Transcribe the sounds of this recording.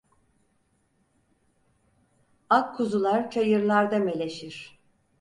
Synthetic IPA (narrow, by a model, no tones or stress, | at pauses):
akʰːuzulˠaɾt͡ʃʰajɯɾlˠaɾd̪ame̞lʲe̞ʃiɾ̥